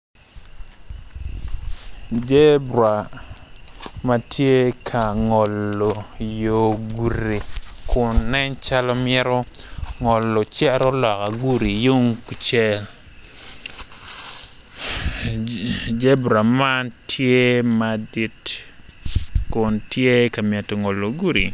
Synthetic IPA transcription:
d͡ʒe˦bɾa˨ | ma˨tʰje˦kʰa˨ŋɔ˨lːo˨jo˨ɡu˨ɾi˨kʰʊ˨nːɛ˦ɲt͡ʃa˦lɔ˦mɪɛ˦ɾɔ˦ | ŋɔ˨lːɔ˨t͡ʃɛ˦ɾɔ˦lɔ˨ka˨ɡu˦ɾi˨jo˦ŋku˨t͡ʃɛ˦l | d͡ʒe˦bɾa˨ma˦ntʰje˦ma˨di˦t | kʊ˨ntje˦ka˨mjɛ˨tɔ˨ŋɔ˨lːo˨ɡu˦ɾḭ˨

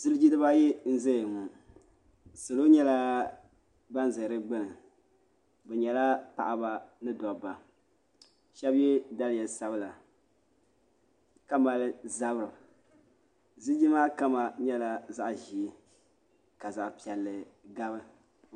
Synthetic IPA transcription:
z̥ɨ˦ld͡ʒi˦dɨ˦ba˦jɛ˦n̩˦zɛ˦˨ŋu˨ | sɨ˨lo˦ɲɛ˦la˦ | ba˦n˦zɨ˨ɾɨ˦ɡ͡bɨ˦nɨ˨ | bɛ˨ɲɛ˨la˦pa̰˨ʔa˨ba˦nɨ˦dɔ˨ba˨ | ʃɛ˦bjɛ˦da˦ljɛ˨sa˦bɨ˦la˨ | ka˦ma˨lɨ˦za˦bɾɨ˨ | zɨ˦d͡ʒi˦maː˦ka˦ma˨ɲɛ˦la˦za˦ʔʒi˨˦ | ka˨za˨ʔpi˨ɛ˨lːɨ˨ɡa˦βɨ˦

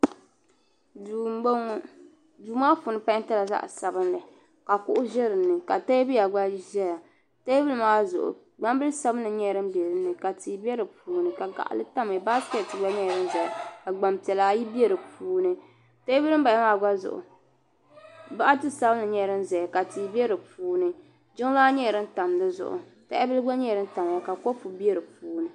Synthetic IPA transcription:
u˨o˦ŋ˦ | duː˨maː˦fu˨nɨ˦pa˦n˦ta˦la˨za̰˦ʔsa˨bɨ˦nlɨ˨ | ka˨kʊ˦ʔʊ˦ʒɛ˦ɾɨ˨nːɨ˨ka˨ta˦bɨ˦ja˨ɡ͡ba˦ʒɛ˦ja˨ | ta˦bɨ˦lɨ˦maː˦zʊ˨ʔʊ̰˨ | ɡ͡ba˦m˦bɨ˦lsa˦bɨ˦n˦ɨ˨ɲɛ˦ɾɨ˦mbɛ˨ɾɨ˦nːɨ˨ka˨ti˨˦bɛ˦ɾɨ˨puː˨nɨ˨ka˨ɡa̰˨ʔa̰˨lɨ˦ta˦mɨ˨ba˦skɛ˦˨tɨ˨ɡ͡ba˦ɲɛ˦˨ɾɨ˦n˦zɛ˨jka˨ɡ͡ba˨mpi˨ɛ˨laː˦ji˦bɛ˦ɾɨ˨puː˦nɨ˦ | ta˦bɨ˦ɾɨ˦m˦ba˨ja˦maː˦˨ɡa˦zʊ̰˨ʔʊ̰˨ | ba˦ʔa˦tɨ˦sa˦bnɨ˨ɲɛ˦˨ɾɨ˦nzɛ˨ja˨ka˨ti˨bɛ˦ɾɨ˨puː˦nɨ˨ | d͡ʒʊ˦ŋ˦laː˦ɲɛ˦˨ɾɨ˦n̩˦ta˨mnɨ˦zʊ̰˨ʔʊ̰˨ta̰˦a̰˦bɨ˦lɨ˦ɡ͡ba˦ɲɛ˦˨ɾɨ˦n˦ta˨m˨ja˦ka˨kɔ˦pu˨bi˦ɛ˦ɾɨ˨puː˦nɨ˨

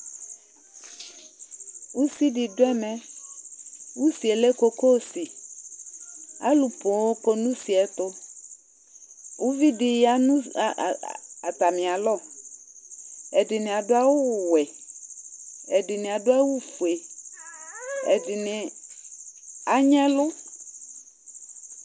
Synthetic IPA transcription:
wu˦si˦ɖi˨do˦ɛ˦mɛ̃˦ | wu˦si˨e˨le˦ko˨ko˦si˨ | a̰˦lu˨po˨wo˦ko˦nũ˦si˨ɛ˨t̪o˦ | wʔu˦vi˦di˨ja˦nũ˦˨a˨t̪a˨mɪ̃˨a˨lɔ˦˨ | ɛ˨dɪ˨nɪ̃˨a˨dʊ˦a˦wʊ˦˨wɛ˨ | ɛ˨dɪ˨nɪ̃˨a˨dʊ˦a˦wu˦fu˨e˨ | ɛ̰˨dɪ˨nɪ̃˨ | a˨ɲɛ̃˦lʊ˦

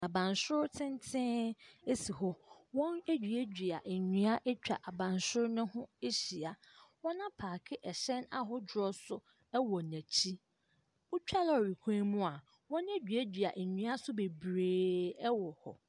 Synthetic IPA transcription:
a˨bã˨nsʊ˦ɾtʰɪ̃˦ntʰɪ̃˦e˦si˨ɦɔ˦wɔ̃˦ne˦d͡ʑᶣɥæ˦d͡ʑᶣɥa˨ʔɲũ˨a˦ʔe˦t͡ɕᶣa̰˨ʔa˨bã˨nsʊ˦ɾnʊ̃˦hʊ̃˦e˦ɕi˨a˨ | wɔ̃˦nã˦pʰaː˨kʰɪ˦ʔɛ˨ɕɛ˦na˦ɦʊ˦d͡ʑɾɔ˦sʊ˦ | ɛ˦wɔ˨næ̃˨t͡ɕʰi˦ | ʊ˦t͡ɕᶣa˦lɔ˦˨ɾi˨kʰẽ˦mũ˦a˨ | wɔ̃˦ne˦d͡ʑᶣɥæ˦d͡ʑᶣɥa̰˨ʔɲᶣĩ˨˦a˦sʊ˦be˨bɾeː˨ɛ˦wɔ˨hɔ̰˨

